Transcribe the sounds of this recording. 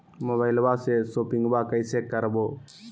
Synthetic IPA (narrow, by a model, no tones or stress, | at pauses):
moβaɪlbasesoːpiŋɡbakəɪsekəɾboː